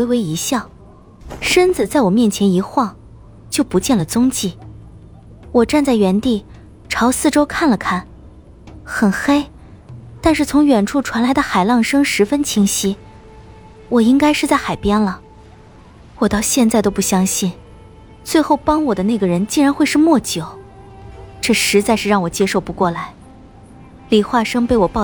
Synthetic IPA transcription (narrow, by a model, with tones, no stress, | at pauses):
we˧˥ɪwe˧˥ɪi˧˥ɕjɑ˥˩ʊ | ʂə˥nt͡sɹ̩˨˩t͡sa˥˩ɪwɔ˨˩mjɛ˥˩nt͡ɕʰjɛ˧˥ni˧˥xwɑ˥˩ŋ | t͡ɕjo˥˩ʊpu˧˥t͡ɕjɛ˥˩nlə˩t͡sʊ˥ŋt͡ɕi˥˩ | wɔ˨˩ʈ͡ʂa˥˧nt͡sa˥˩ɪɥɛ˧˥nt̪i˥˩ | ʈ͡ʂʰɑ˧˥ʊsɹ̩˥˧ʈ͡ʂo˥ʊkʰa˥˩nlə˩kʰa˥˩n | xə˨˩nxe˥ɪ | t̪a˥˧nʂɻ̩˥˩t͡sʰʊ˧˥ŋɥɛ˨˩nʈ͡ʂʰu˥˩ʈ͡ʂʰwa˧˥nla˧˥ɪd̪ə˧xa˨˩ɪlɑ˥˩ŋʂɤ˥ŋʂɻ̩˧˥fə˥nt͡ɕʰi˧˥ŋɕi˧˥ | wɔ˨˩i˥ŋka˥ɪʂɻ̩˥˧t͡sa˥˩ɪxa˨˩ɪpjɛ˥nlə˨ | wɔ˨˩t̪ɑ˥˧ʊɕjɛ˥˧nt͡sa˥˩ɪt̪o˥ʊp̬u˥˩ɕjɑ˥ŋɕi˥˩n | t͡swe˥˧ɪxo˥˩ʊpɑ˥ŋwɔ˨˩d̪ə˦na˥˩ɪɡə˩ɻə˧˥nt͡ɕi˥˩ɻa˧˥nxwe˥˧ɪʂɻ̩˥˧mwɔ˥˩t͡ɕjo˨˩˦ʊ | ʈ͡ʂɤ˥˩ʂɻ̩˧˥t͡sa˥˧ɪʂɻ̩˥˧ɻɑ˥˩ŋwɔ˨˩t͡ɕjɛ˥ʂo˥˧ʊpu˧˥kwɔ˥˩la˧˥ɪ | li˨˩xwa˥˩ʂɤ˥ŋpe˥˩ɪwɔ˨˩pɑ˥˩